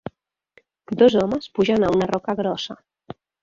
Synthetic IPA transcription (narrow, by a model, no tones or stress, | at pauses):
d̪ɔzɔməspuʒanaunarɔkaɣɾɔsa